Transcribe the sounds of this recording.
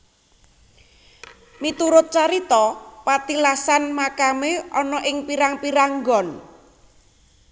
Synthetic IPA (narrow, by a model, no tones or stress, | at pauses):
mit̪uɾʊt̪̚t͡ʃaɾit̪ɔpat̪ilasanmakameʔɔnɔʔɪŋpiɾaŋpiɾaŋɡɔn